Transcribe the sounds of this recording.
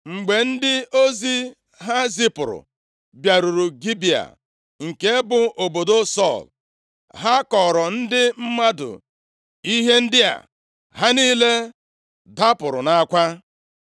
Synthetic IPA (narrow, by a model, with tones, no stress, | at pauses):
ŋ͡m̩˨ɡ͡be˨n̩˦dɪ˦o˦zi˦ | ɦa˦zi˦pʊ˨ɾʊ̰˨ | bja˨ɾu˨ɾu˨ɡi˦bi˨a̰˨ | ŋ̩˨ke˦bʊ˨ʔo˨bo˨do˦sɔ˦˨l | ɦa˦kɔ˨ɾɔ˨n̩˦dɪ˦m̩˦ma˦dʊ̰˨ | i˦ɦe˦n̩˦dɪ˦a̰˨ | ɦa˦niː˦le˦ | da˦pʊ˨ɾʊ̰˨na˨˦kʷa˦